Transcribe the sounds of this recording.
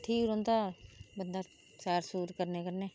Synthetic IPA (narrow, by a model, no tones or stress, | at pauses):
ʈʰiːɾõːnt̪aːbənd̪aː | sɛːɾsuːɾkəɾneːkəɾneː